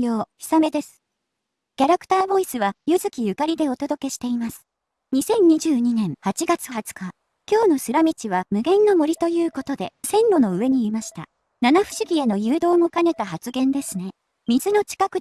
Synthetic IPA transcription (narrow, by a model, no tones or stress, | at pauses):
joːçʲi̥same̞d̪e̞sɨ̥ | kʲaɾakɯ̥t̪aːbo̞isɨβajɯzɨkʲijɯ̟kaɾʲid̪e̞o̞t̪o̞d̪o̞ke̞ɕi̥t̪e̞imasɨ̥ | ɲ̟isẽ̞ɲ̟ɲːiʑɨːɲ̟inẽ̞ɰ̃hat͡ɕiɡat͡sɨ̥ɦat͡sɨ̥ka | kʲo̞ːno̞sɨɾamʲit͡ɕiβ̞amɯ̟ɡẽ̞nːo̞mo̞ɾʲit̪o̞jɯ̟ːko̞t̪o̞d̪e̞sẽ̞nɾo̞no̞ɯ̟βe̞ɲ̟iimaɕi̥t̪a̰ | nanaɸɯ̟̥ɕiɡʲie̞no̞jɯːd̪o̞ːmo̞kane̞t̪aɦat͡sɨɡẽ̞nd̪e̞sɨne̞ | mʲizɨno̞t͡ɕi̥kakɯ̟